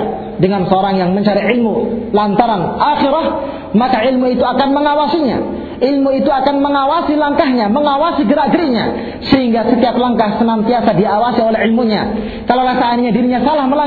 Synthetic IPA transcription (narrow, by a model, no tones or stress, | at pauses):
dəŋansəoɾaŋjaŋməɲt͡ʃaɾiɪlmulant̪aɾanʔaxiɾah | makaʔɪlmuit̪uakanməŋawasiɲa̰ | ʔilmuit̪uakanməŋawasilaŋkaɦɲaməŋawasiɡəɾaɡɾiɲa̰ | səɦiŋɡasət̪iap̚laŋkahsənant̪iasadiawasiolɛɦɪlmuɲa | kalawlasaanɲadiɾiɲasalahməla